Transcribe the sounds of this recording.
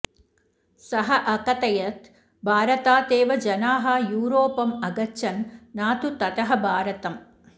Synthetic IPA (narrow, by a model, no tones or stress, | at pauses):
sɐɦɐʔɐkɐt̪ɐjɐt̪ | bʱaːɾɐt̪aːt̪eːʋɐd͡ʒɐnaːɦɐjuːɾoːpɐmɐɡɐʃɐnnaːt̪ut̪ɐt̪ɐɦɐbʱaːɾɐt̪ɐm